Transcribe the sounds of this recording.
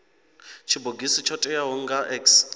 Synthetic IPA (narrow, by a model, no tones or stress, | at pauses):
t͡ʃʰiboɡisit͡ʃʰɔtʼɛjaɦoŋ̩ɡaʔɛks